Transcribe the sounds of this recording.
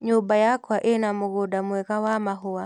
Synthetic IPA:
ɲʊbajakwaʔenamʊɡodamwɛkawamaɦʊwa

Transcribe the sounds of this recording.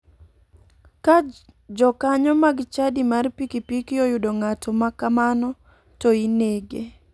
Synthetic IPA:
ka | d͡ʒɔkaɲɔmaɡt͡ʃadimarpikipikiojʊdoŋatɔmakamanɔ | toineɡe

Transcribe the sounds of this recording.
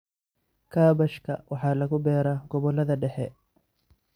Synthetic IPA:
kʰaːbɐʃkʰɐ̰wʔɑħɑːlɐɣʊbɛːɾaːɡ̥ɔβɔlːɐðɐɖɛħɛ

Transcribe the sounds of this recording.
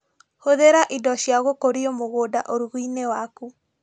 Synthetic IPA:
hoðeɾaʔidɔɕjaɣokoɾiomoɣoːdaʔoɾuɣuinewaku

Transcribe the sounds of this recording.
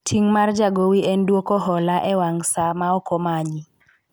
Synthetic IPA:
tʰiŋmard͡ʒaɡowiɛndwokoɦɔlaʔɛwaŋsamaɔkɔmaɲi

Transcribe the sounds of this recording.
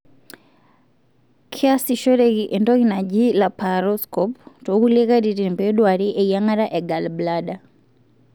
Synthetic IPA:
kʰiasiʃɔɾɛkiʔɛndɔɣinad͡ʒilapaɾɔskɔptokuleɣaɾiɾimpɛɗwaɾiʔɛiaŋaɾaʔɛɡalblaɗa

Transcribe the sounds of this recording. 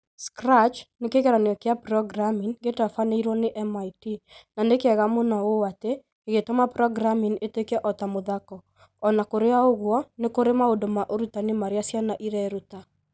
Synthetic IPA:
skɾat͡ʃnekeɣɛɾaneɔkeapɾɔɡɾamiŋɡetafaneiɾwɔneʔɛmaitinanekɛɣamonawowate | keɣetomapɾɔɡɾaminetekɛʔɔtamoðakɔ | ɔnakoɾeaoɣwɔnekoɾemaodomaʔoɾutanemaɾeasjanaʔiɾɛɾuta

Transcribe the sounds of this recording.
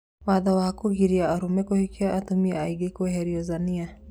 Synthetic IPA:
waðawahakuɣiɾiaːɾumɛkuhikiaʔatumiaaiɡikɛhɛɾiɔzania

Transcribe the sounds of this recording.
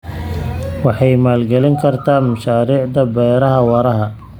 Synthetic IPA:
wɑħɑjmaːlɡɛlɪŋkʰɐrt̪ʰaːmɐʃaːɾiːʕd̪ɐbɛːɾɐɦɐwɐɾɐɦɐ

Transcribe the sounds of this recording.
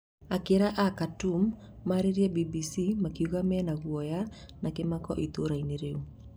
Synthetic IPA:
akeɾaʔakatumː | aɾeɾiɛbibisimakiuɣamɛnaɣwɔja | nakemakɔʔit̪oɾaineɾeu

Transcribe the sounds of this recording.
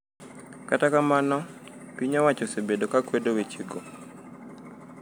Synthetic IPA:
katakamanɔ | piɲawat͡ʃɔsebedokakwɛdɔwet͡ʃiɡɔ

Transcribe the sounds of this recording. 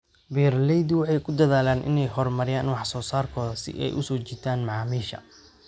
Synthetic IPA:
bɛːrlɛjd̪ɪwɑħɑjkʰʊd̪ɐðaːlaːnʔɪ̰nɛjɦɔrmɐɾɪjaːnwɑħsɔːsaːrkʰɔːðɐsɪ̰ʔɛ̰jʔʊsɔːt͡ʃit̪ʰaːnmɑʕɑːmiːʃɐ̰

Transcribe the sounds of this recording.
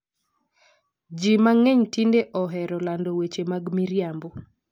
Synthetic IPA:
d͡ʒimaŋɛɲtindeʔɔɦɛɾɔlandowet͡ʃemaɡmiɾjambo

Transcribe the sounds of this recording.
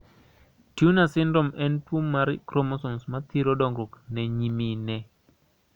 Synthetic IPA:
tjunasɪndɔmɛntwomːaɾkɾomɔsɔnsmat̪iɾodɔŋɡɾoknɛɲiminɛ

